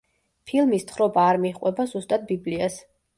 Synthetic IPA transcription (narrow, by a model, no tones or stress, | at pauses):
pʰilˠmist̪χɾɔbaːɾmiχʼwɛbazust̪ʼad̪̚biblias